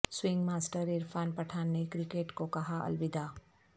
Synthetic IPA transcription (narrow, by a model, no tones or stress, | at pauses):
swɪ̃ŋɡmaːsʈəɾɪɾfʰaːnpɐʈʰaːnːekɾɪkeːʈkokɐɦaɐ̰lwɪd̪aː